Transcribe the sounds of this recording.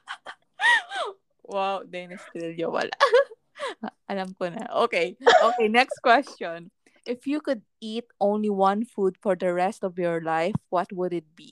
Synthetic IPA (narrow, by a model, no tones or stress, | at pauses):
wawd̪ɛnɪst̪ɾɪlɲowɐ̰la̰ʔ | ʔɐlamkɔnɐ̰ʔokejʔoːkejnɛkst̪kwɛst͡ʃɔn | ʔɪfjukʊd̪̚it̪̚ʔõw̃nliwɐ̃nfud̪fɔɹd̪ɐɹɛst̪ɔvjɔɹlajfwɐt̪̚wʊd̪ɪt̪̚bi